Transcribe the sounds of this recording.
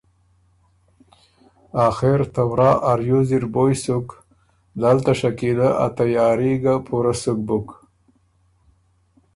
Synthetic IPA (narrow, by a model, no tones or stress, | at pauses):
ɑːxeɾt̪awɾɑːʔaɾjuziɾbojsuk | d̪alt̪aʂakilaʔa̰t̪ajɑːɾiɡapʰuɾasuk̚bʊk